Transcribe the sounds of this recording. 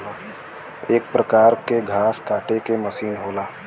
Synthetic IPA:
eːk̚pɾəkaːɾkeɡʱaːskaːʈekeməsiːnɦoːlaː

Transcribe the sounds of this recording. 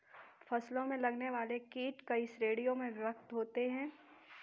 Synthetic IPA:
fɐslõmẽlɐɡneʋaːlekiːʈkaɪsɾeːɽijomẽʋɪʋəkt̪ɦoːt̪eɦɛ̃ː

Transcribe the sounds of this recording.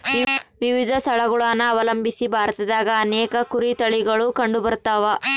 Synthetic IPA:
ʋiʋid̪ʱɐst̪ʰɐɭɐɡuɭaːnːɐːʋɐlɐmbʱisibʱaːɾɐt̪ɐd̪aːɡɐːnɛːkɐkuɾit̪ɐɭiɡɐɭukɐɳɖubɐɾt̪aːʋɐ

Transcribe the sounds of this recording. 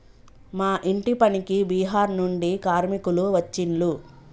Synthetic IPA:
maːʔiɳʈipɐnikibiːɦaːɾnuɳɖikaːɾmikuluʋɐt͡ʃːiɳlu

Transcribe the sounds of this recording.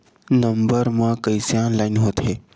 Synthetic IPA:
nəmbəɾmãkəjsjãnlaɪnɦot̪ʰe

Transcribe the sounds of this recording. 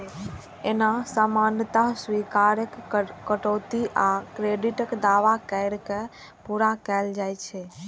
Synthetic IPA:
enasamãnɖt̪aɦsʋikaɾəkːəʈɔt̪iʔakɾeɖiʈəkd̪aʋakəɾke | puɾakɛld͡ʒajt͡ʃʰɛ

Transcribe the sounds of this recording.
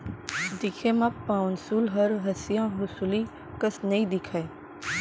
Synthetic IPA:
d̪ɪkʰemãpãːnsuːlɦɐɾɦɐsijãɦʊsuli | kɐsnɐĩd̪ɪkʰae

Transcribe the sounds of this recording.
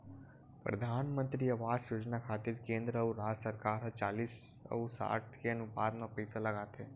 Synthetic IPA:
pɾɐ̰d̪ʱaːnmə̃nt̪ɾiɐʋaːɾjoːd͡ʒnakʰaːt̪ɪɾkẽːnd̪ɾəəuɾaːd͡ʒsəɾkaːɾɦɐt͡ʃaːliːs | ə̰usa̰ːʈ̪̚ʰkeɐnʊpaːd̪mapɐjsalɐɡaːt̪eː

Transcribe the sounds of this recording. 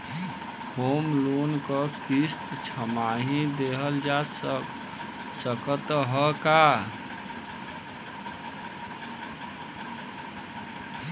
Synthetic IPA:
hoːmlonkəkist̪t͡ʃʰəmaɦĩd̪eɦəld͡ʒa | səkət̪ɦəka

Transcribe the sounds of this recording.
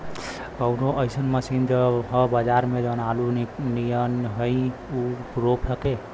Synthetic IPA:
kəʊnoʔəjsənməsind͡ʒəɦə̃bəd͡ʒaɾmed͡ʒənalunijənɦəjuɾopʰəke

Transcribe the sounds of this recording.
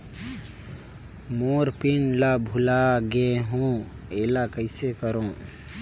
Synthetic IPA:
moɾpinlabʱulaɡeɦõ | eːlakəɪsekəɾõ

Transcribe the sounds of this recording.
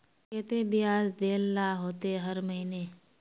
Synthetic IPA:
kɛːt̪ebijaːd͡ʒd̪eːlːaːɦoːt̪ɦɐɾmɐɦineː

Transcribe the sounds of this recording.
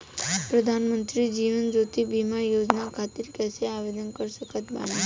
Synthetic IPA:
pɾəd̪ʱanmənt̪ɾid͡ʒiʋənd͡ʒot̪ʰibimajod͡ʒnakʰat̪iɾkɛseaʋed̪ənkəɾʃəkʰət̪ba̰na

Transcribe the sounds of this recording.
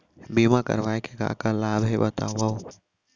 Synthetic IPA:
bimakə̰ɾʋaekeka̰kalaːbʱebət̪a̰ːʋau

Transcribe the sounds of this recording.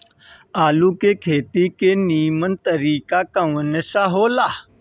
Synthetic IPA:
aːlukekʰeːt̪ikeːniːmənt̪əɾiːkaːkəʋənəsaɦoːlaː

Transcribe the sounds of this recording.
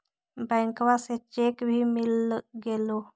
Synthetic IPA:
baŋkʋaset͡ʃekbʱimiləɡelo

